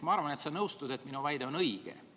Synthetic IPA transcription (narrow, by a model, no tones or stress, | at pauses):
mɑɑɾvɑne̞t̪sɑnɤwst̪ud̪e̞t̪ːminuvæjd̪eo̞nɤjɡ̥ḛ